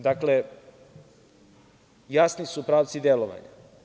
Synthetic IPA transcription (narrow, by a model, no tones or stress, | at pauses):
d̪akle | jasnisupɾaːʋt̪sid̪eloʋa̰ɲa̰